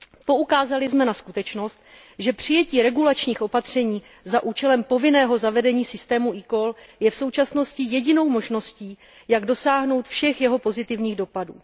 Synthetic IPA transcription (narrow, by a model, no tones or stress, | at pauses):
po̞ʔukaːzalɪzmɛnaskut̪ɛt͡ʃno̞st̪̚ | ʒɛpr̝̥ɪjɛciːɾɛɡulat͡ʃɲiːxʔo̞pat̪r̝̥ɛɲiː | zaʔuːt͡ʃɛlɛmpo̞vɪnɛːɦo̞zavɛdɛɲiːsɪst̪ɛːmuʔiko̞ljɛfso̞wt͡ʃasno̞scɪjɛɟɪno̞wmo̞ʒno̞sciː | jaɡdo̞saːɦno̞wt̪fʃɛxjɛɦo̞po̞zɪt̪ɪvɲiːɣdo̞padṵː